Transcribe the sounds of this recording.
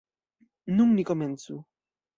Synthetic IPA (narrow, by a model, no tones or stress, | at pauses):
numnʲikɔmʲɛnt̪su